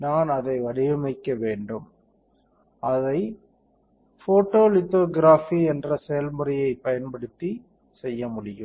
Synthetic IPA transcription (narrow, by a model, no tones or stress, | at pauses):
naːnɐðɐɪʋɐɽɪjɐmɐɪkːɐʋeːɳɖɯm | ɐðɐɪ | foːʈːoːlɪt̪ːoːɡɪɾaːfiɛndrɐsɛjɐlmʊɾɪjɐɪpɐjɐnpɐɽɯt̪ːi | sɛjːɐmʊɽɪjɯ̰m